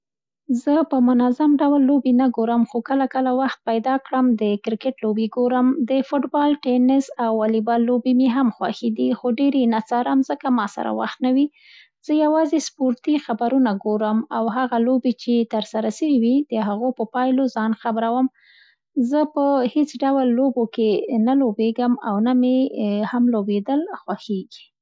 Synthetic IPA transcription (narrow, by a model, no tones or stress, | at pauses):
zəpəmʊnazamɖawlːobenaɡoɾəmxokəlakəlawaxt̪̚pajd̪ɑkɽəmd̪əkɾɪkɪʈlobeɡoɾəmd̪əfʊʈbɑlʈenɪsawːalibɑlːobemeɦamxwa̰xed̪ixoɖeɾenat͡saɾamzəkamɑsa̰ɾa̰wa̰xt̪nawi | z̥əjawɑzespoɾt̪ixabaɾunaɡoɾəmawɦaɣalobet͡ʃet̪əɾsaɾaʃəwiwid̪̥əɦaɣopəpɑjlozɑnxabɾawəm | zəpəhet͡sɖawlːobokenalobeɡəma̰wnamehamlobed̪əlxwaxeɡi̥